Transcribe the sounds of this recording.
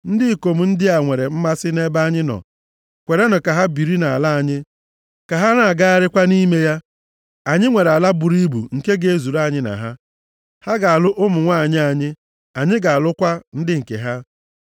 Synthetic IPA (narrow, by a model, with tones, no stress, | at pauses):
n̩˦dɪ˦˨ko˨m̩˨n̩˦dɪ˦a˨ŋʷe˨ɾe˨m̩˦ma˦sɪ˦ne˦ba˦ɲɪ˦nɔ̰˨ | kʷe˨ɾe˦nʊ˨ka˨ɦa˦bi˨ɾi˦na˨a˨la˦a˨ɲɪ˦ | ka˨ɦa˦na˨a˨ɡa˦a˦ɾɪ˦kʷa˦ni˦me˦ja˦ | a˨ɲɪ˦ŋʷe˨ɾa˨la˦bʊ˨ɾi˦bṵ˨ŋ̩˨ke˦ɡe˨e˦˨zu˨ɾa˦˨ɲɪ˦na̰˨ɦa˦ | ha˦ɡa˨a˨lʊ˦ʔʊ˦mʊ˨ŋʷa˦a˨ɲɪ˦a˨ɲɪ˦ | a˨ɲɪ˦ɡa˨a˨lʊ˦kʷa˦n̩˦dɪ˦ŋ̩˨kḛ˨ɦa˦